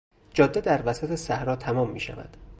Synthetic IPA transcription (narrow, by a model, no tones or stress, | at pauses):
d͡ʒɒːd̪ːed̪æɾvæsæt̪ʰesæhɾɒːt̪ʰæmɒːmːḭːʃæ̰væ̰d̪̥